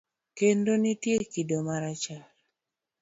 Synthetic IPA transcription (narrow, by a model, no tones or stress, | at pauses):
kendonitjekidomaɾat͡ʃal